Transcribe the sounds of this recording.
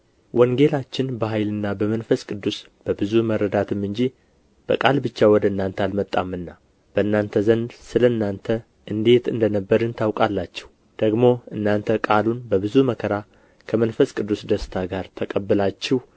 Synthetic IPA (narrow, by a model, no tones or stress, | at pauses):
wʔɔŋɡe̞lat͡ʃːɪnbəɦajlɨnːabəmənfəskʼɨd̪ːus | b̥əbɨzuməɾəd̪at̪ʰɨmːɨnd͡ʒi | b̥ə̰kʼalbɨt͡ʃːawɔd̪əɨnːant̪ʰəalmət̪ʼːamːɨnːa | b̥əɨnːant̪ʰəzənd̪sɨləɨnːant̪ʰə | ʔɨnd̪e̞t̪ɨnd̪ənəbːəɾɨnt̪ʰawkʼalːat͡ʃːɛ̥w | d̪̥əɡmo̞ɨnːant̪ʰəkʼalunbəbɨzuməkʰəɾa | kʰəmənfəskʼɨd̪ːusd̪əst̪ʰaɡaɾt̪ʰəkʼəbːɨlat͡ʃːɛh